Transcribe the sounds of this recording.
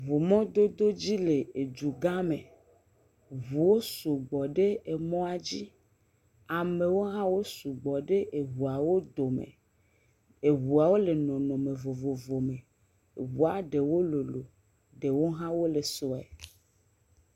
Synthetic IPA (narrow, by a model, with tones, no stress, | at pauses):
vo˨mɔ̃˦d̪o˦d̪o˦d͡ʑi˦le˨e˨d͡ʒu˨ɡa˦mẽ˨ | vu˨wo˦su˨ɡ͡bɔ˨ɖe˦e˨mɔ̃˦a˨d͡ʑi˦ | a˨me˨wo˦ɦã˦wo˦su˨ɡ͡bɔ˨ɖe˦ʔe˨ɦu˨a˨wo˦d̪o˨mḛ̃˨ | e˨βu˨a˨wo˦le˨nɔ̃˨nɔ̃˨mẽ˨vo˨vo˨vo˨mẽ˨ | wu˨a˨ɖe˨wo˦lo˨lo˨ | ɖe˨wo˦ɦã˦wo˦le˨sɔ˨ɛ̰˨